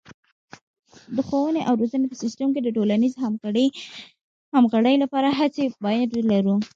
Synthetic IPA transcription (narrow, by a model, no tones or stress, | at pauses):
d̪əxowəneʔawɾozənepəsɪsʈəmked̪əʈolaniz | hamɣaɽəjlapɑɾaɦat͡sebɑjad̪elaɾu